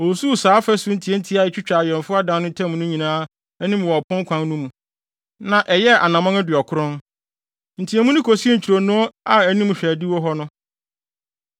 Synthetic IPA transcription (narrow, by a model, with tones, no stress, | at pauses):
o˨su˦˨saː˨˦fɛ˦sʊ˦n̩˦tʰi˨e˦n̩˦tʰi˦a˨ɛ˦t͡ɕᶣt͡ɕᶣa˨ɥɛ̃˨nfʊ˦a˦dã˦nʊ̃˦tʰɛ̃˦m̃˨nʊ̃˦ɲĩ˨nãː˦ | æ˦nĩ˦m˨wɔ˨pʰʊ̃˦ŋ˦kʷʰã˦nː˦nũ˦mũ˨ | nã˨ʔɛ˨jɛ˦ʔa̰˨nã˨mã˦ŋæ˦dɪ˨ɔ˨kʰʊ˦ɾʊ̃˦n | n̩˨tʰi˨ɛ˨mũ˦nʊ̃˦kʰo˨si˦e˦ɲ̩˨t͡ɕʰi˨ɾo˨nũ˦ɔ˦a˨æ˨nĩ˦m˨ɕᶣɛ˨dɪ˦wɔ˦ɦɔ˦nʊ̃˦